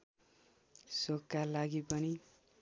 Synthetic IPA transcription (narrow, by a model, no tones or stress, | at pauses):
sokːalaɡipʌni